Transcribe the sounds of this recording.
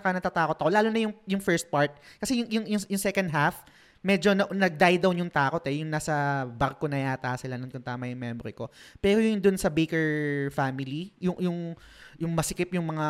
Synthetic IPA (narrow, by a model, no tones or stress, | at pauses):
ɐkɐnɐt̪aːt̪aːkot̪ɐko̞laːlonɐjʊŋjʊŋfɛɹst̪̚paɹt̪̚kɐsɛjʊŋjʊŋjʊŋjʊŋsɛkɐnd̪̚ɦaf | mɛːd͡ʒo̞nɐnɐɡ̚d̪ajd̪ɐwjʊŋt̪aːko̞t̪ɛjʊŋnaːsɐbɐɾkonɐjaːt̪asɪlanʊŋt̪ʊnt̪aːmɐjʊŋmjɛmbɾɛko̞pɛːɾojʊŋd̪ʊnsɐbejkɛɹfaːmɪlijʊŋjʊŋ | jʊŋmɐsɪkɪpjʊŋmɐŋa